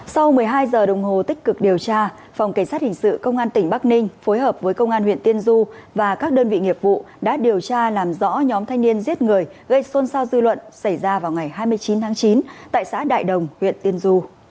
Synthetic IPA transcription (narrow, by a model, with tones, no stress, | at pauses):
sa˧wmɨ˨˩əjɦaː˧jzəː˨˩ɗə̰˧˨wŋ͡mɦo˨˩t̪ï˦˥k̟̚kɨ˨˩k̚ɗi˨˩əwt͡ɕaː˧ | fa˨˩wŋ͡mka˧˩ŋ̟sa˦˥t̚hï˨˩ŋ̟sɨ̰˧˨kə˧wŋ͡mʔaː˧nt̪ï˧˩ŋɓa˦˥k̚nï˧ŋ̟fo˨˦jɦəː˨˩p̚vəː˨˦jkə˧wŋ͡mʔaː˧nhwḭ˧˨ənt̪i˧ənzu˧vaː˨˩kaː˦˥k̚ɗəː˧nvḭ˧˨ŋi˨˩əp̚vṵ˧˨ | ɗa̰ː˧˥ɗi˨˩əwt͡ɕaː˧laː˨˩mzɔ̰˧˥ɲɔ˨˦mt̪ʰa˧ŋ̟ni˧ənzi˦˥ət̚ŋɨ˨˩əjɣə˧jso˧nsaː˧wzɨ˧lwə̰˧˨nsa˧˩jzaː˧vaː˨˩wŋa˨˩jɦaː˧jmɨ˧əjt͡ɕi˨˦nt̪ʰaː˨˦ŋt͡ɕi˨˦nt̪a̰ː˧˨jsa̰ː˧˥ɗa̰ː˧˨jɗə˨˩wŋ͡mhwḭ˧˨ənt̪i˧ənzu˧